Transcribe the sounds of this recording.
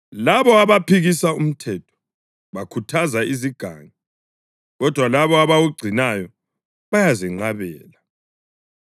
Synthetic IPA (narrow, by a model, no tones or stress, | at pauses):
laβɔaβapʰiɣisaum̩tʰɛtʰɔ̥ | βakʰutʰazaiziɡ̥ʱaŋi | ɣɔd̥ʱwalaβɔaβaɣuɡ͡ǀʱinajɔ | βajaziŋ͡ǃaβɛːla